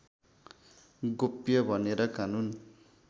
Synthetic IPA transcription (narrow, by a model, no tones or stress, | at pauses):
ɡopjʌbʱʌneɾʌkanun